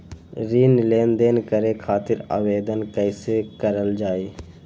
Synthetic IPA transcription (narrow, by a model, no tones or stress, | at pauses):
ɾiːnleːnd̪eːnkəɾekʰaːt̪ɪɾa̰ːʋeːd̪ənkəɪsekəɾəld͡ʒaːeː